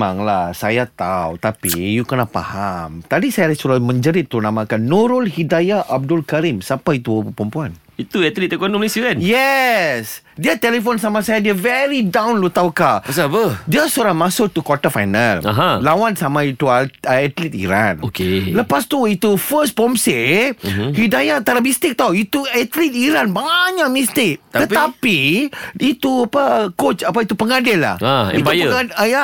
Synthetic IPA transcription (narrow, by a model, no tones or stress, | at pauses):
aŋlahsajat̪awt̪apijukənapa̰hamt̪adisajaɾɛsuɾamə̃ɲd͡ʒəɾɪt̪ːunãmãkanːoɾɔlhidajaʔab̚dʊlkaɾimsapait̪uəpəmpuan | it̪uɛt̪lit̪ɛkɔnɔ̃mlisukɛnjɛs | diat̪ɛlifonsamasajadiavɛɾidãwnlut̪awkaspədiəsuɾamasʊk̚t̪ukwɔtafa̰jna̰la̰ɦãlawansamãit̪uaəɛt̪lit̪̚ḭɾã̰nokeləpast̪uit̪ufəspɔmse | hidajat̪aɾamist̪ɪk̚t̪awit̪uɛt̪lit̪̚iɾanbaɲaʔ̚mist̪ɪk̚t̪t̪əapiit̪uapəkot͡ʃapait̪upəŋadɪlːa̰haimp̪ajpəaaja